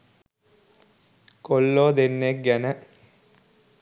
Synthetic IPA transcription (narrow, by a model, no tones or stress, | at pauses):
kolːoːd̪enːek̚ɡænə